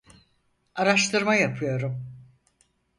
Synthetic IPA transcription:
aɾaʃt̪ʰɯɾmajapʰɯjo̞ɾum

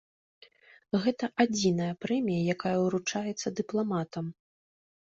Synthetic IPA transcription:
ɣɛt̪ɐʔad͡zʲinɐjɐpɾɛmʲijɐjakajɐuɾut͡ʂajɛt̪sːɐd̪ɨplˠamat̪ɐm

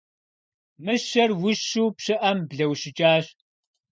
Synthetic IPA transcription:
mɨʃɐrwʊɕuːpɕɨʔɐmbɮɐwɕɪt͡ʃʼaːɕ

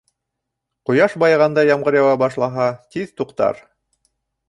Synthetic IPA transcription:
qŏjɑʃbɑjʁɑnd̪ɑjɑmʁɤ̆ɾjɑwɑbɑʃlˠɑɦɑt̪iðt̪uqt̪ɑ̰ɾ

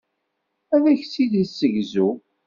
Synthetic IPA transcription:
æðæçsiðisəʝzu

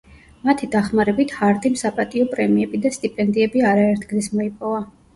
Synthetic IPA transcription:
mat̪ʰid̪aχmaɾɛbit̪ʰhaɾd̪ʼimsapʼat̪ʼiɔpʼɾɛmiɛbid̪ast̪ʼipʼɛnd̪iɛbiaɾaɛɾt̪ʰɡlismɔipʼɔva

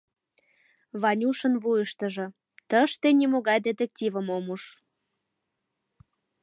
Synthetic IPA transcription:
βɑnʲuʃənβujəʃt̪ə̆ʒɤ̆ | t̪əʃt̪enʲimoɣɑjd̪et̪ek̚tʲivəmomuʃ

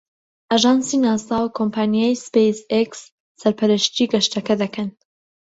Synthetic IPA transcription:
ʔaʒɑːnsiːnaːsaːwkʰompʰaːnijajspejseksː | ɐɾpʰɐɾəʃt̪iɡɐʃt̪ɐkɐd̪ɐkʰɐn

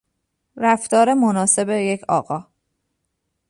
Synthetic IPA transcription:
ɾæft̪ɒːɾe̞monɒːse̞beje̞cʰɒ̰ːɣɒː

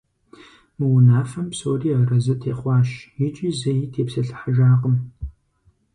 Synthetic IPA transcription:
mɨwʊnaːfɐmpsoːriːɐrɐzɨtʰeːχʷɑːʃjɪt͡ʃʼiːzɐjtʰeːpsɐɬħaʒaːqəm

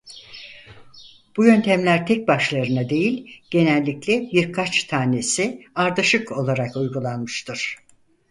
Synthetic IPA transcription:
b̥ujø̞nt̪ʰæmlʲæɾt̪ʰɛc̚baʃlˠaɾɯnad̪e̞jilʲɟ̥e̞nælʲːiclʲɛbiɾkʰat͡ʃt̪ʰaːne̞siaɾd̪aʃɯko̞lˠaɾakujɡulˠanmɯʃt̪ʰɯɾ̥

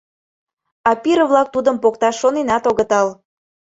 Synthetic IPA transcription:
ɑpiɾəβlɑk̚t̪ud̪əmpokt̪ɑʃːonenɑt̪oɣə̆t̪ɑl

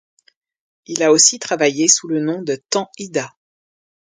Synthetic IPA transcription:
ilaosit̪χavajesulənɔ̃d̪ət̪ɑ̃id̪a

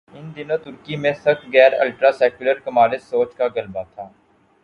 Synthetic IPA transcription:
ɪnd̪ɪnõːt̪ʊɾkimẽsəkɡɛːɾə̰lʈɾaːsɛːkʊləɾkəmaːlɪsːoːt͡ʃkaːɡəlbaːt̪ʰaː

